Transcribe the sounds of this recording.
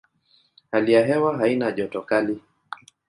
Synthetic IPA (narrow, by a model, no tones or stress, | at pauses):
halijaɦɛwaɦainaʄɔtɔkali